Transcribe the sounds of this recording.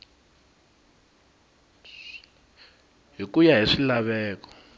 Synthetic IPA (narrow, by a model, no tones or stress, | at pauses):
ɦikujaɦiʂilaβɛːkɔ̥